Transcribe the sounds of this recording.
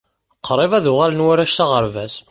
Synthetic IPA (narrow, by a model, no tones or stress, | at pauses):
qʰːɾˤevæðʊʁælənwaɾæʃθaʁəɾvæs